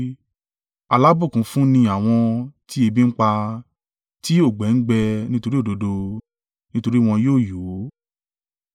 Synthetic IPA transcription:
a˨la˨˦bũ˦˨kũ˨˦fũ˦nĩ˧a˨w̃ɔ̃˧ti˦e˧bi˦˧ŋ̩˦k͡pa˧ | ti˦o˦˨ɡ͡bɛ˨˦n̩˦ɡ͡bɛ˧nĩ˦to˧ɾi˦o˦˨do˧do˧ | nĩ˦to˧ɾi˦w̃ɔ̃˧joː˦˨joː˨˦

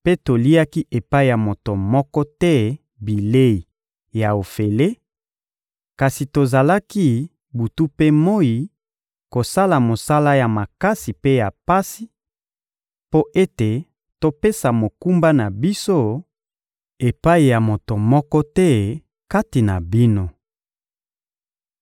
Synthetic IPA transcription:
pe˦to˨li˦a˦ki˦ʔe˨pa˦i˨ja˨mo˨to˨mɔ˦kɔ˦tɛ˦ | bi˨le˦i˨ | ja˨o˨fe˨le˦ | ka˨si˨to˨za˨la˦ki˦ | bu˨tu˦pe˦mo˦i˨ | ko˨sa˦la˨mo˨sa˦la˦ja˨ma˨ka˦si˨pe˦ja˨pa˦si˦ | po˦ʔe˦te˨ | to˨pe˦sa˨mo˨ku˦mba˦na˨bi˦so˦˨ | e˨pa˦i˨ja˨mo˨to˨mɔ˦kɔ˦tɛ˦ | ka˦ti˨na̰˨bi˦no˦

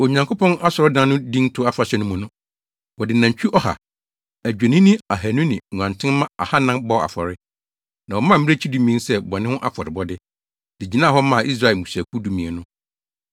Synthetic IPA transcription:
o˨ɲã˨ŋkʰo˦pʰɔ̃˦na˦sɔ˨ɾɔ˦dã˦n˦nʊ̃˦dĩ˦ntʰʊ˦a˦fa˨ɕɛ˦nʊ̃˦mũ˨nʊ̃˦ | wɔ˨dɪ˨nã˨ɲ˨t͡ɕᶣi˦ʔɔ˦ha̰˨ | æ˨d͡ʑᶣe˨nĩ˦nɪ̃˦a˨ɦæ˨nʊ̃˦nɪ̃˨ŋ˨ã˨ntʰɪ̃˦nmã˦a̰˨ha˦nã˦mbɔ˦˨a̰˨fɔ˨ɾɪ˦ | nã˨wɔ˨mã˦m̩˦e˦t͡ɕʰi˦dũ˦mĩ˦sɛ˦bɔ˨nɪ̃˦ʊ̃˦ʔa˦fɔ˨ɾɪ˨bɔ˦dɪ˦ | d̥ɪ˨d͡ʑi˨nã˦ɦɔ˦mã˦˨ʔi˦s̬ɾa˦˨ɛ˨mũ˨sæ˨kʰu˦du˦mĩ˨e˨nʊ̃˦

